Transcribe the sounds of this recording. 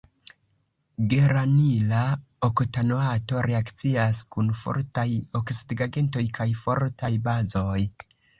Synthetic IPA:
ɡe̞ɾanila | okotanoato̞ɾe̞akt͡siaskunfo̰ɾtajo̞ksidiɡaɡe̞nto̞jkʰajfo̞ɾtajbazo̞j

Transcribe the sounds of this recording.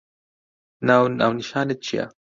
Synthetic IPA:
nawna̰wniʃanət͡ʃia̰

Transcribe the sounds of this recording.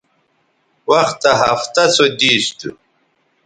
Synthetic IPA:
wɐxt̪ɐɦɐft̪ɐsod̪iːst̪u

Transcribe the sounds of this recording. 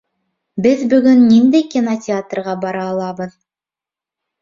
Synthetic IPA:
bɘðbɵ̆ɡɵnːind̪ejkʲinotʲɪat̪rʁɑbɑɾɑːlˠɑbɤð

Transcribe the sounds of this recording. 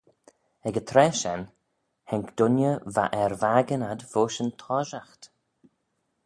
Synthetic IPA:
ɛɡət̪ʰɾɛːʃɛn | hɛŋkd̪̥ʊnjəva̰ʔɛɹvaɡənad̪voːʃənt̪ʰɔːʒaxt̪

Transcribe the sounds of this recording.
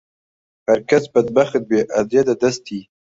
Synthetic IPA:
haɾkazbad̪̚baxt̪̚beʔad̪jad̪ad̪ast̪i

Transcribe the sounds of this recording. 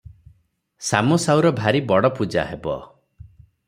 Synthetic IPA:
sa̰mɔsawɾɔbʱaɾibɔɽɔpud͡ʒa̰ɦebɔ̰

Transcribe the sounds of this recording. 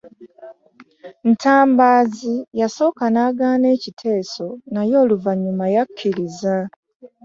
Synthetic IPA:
n̩tʰaːmbaːzijaso̞ːkanaːɡaːne̞ːcitʰe̞ːso̞najo̞ːluvaɲːumajakʰːiɾiza

